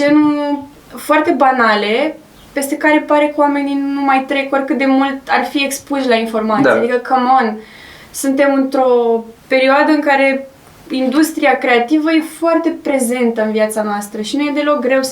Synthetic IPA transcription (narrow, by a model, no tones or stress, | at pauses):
d͡ʒenu | foart̪e̞banale̞ | pe̞st̪e̞kaɾe̞paɾe̞kwame̞ninnumajt̪ɾe̞korkɨt̪̚d̪e̞mult̪arfie̞kspuʃlainfo̞rmat̪iead̪ikəkamon | sunt̪e̞mɨnt̪ɾo̞pe̞ɾioad̪əɨŋkaɾe̞ | ind̪ust̪ɾiakɾe̞at̪ivəje̞foart̪e̞pɾe̞ze̞nt̪əɨnviat̪sanoast̪ɾəʃinuje̞d̪e̞lo̞k̚ɡɾe̞w